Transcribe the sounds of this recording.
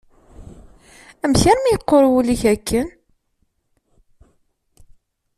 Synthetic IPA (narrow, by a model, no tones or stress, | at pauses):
æmçaɾmijəqːoɾˤwuliçækːən